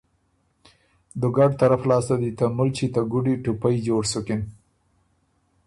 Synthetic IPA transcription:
d̪əɡaɖt̪aɾaflɑst̪ad̪it̪amʊlt͡ʃit̪aɡuɖiʈupajd͡ʒoɽsʊkɪn

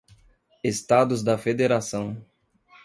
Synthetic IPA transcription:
est̪ad̪ʊzd̪ɐfed̪eɾasɐ̃w̃

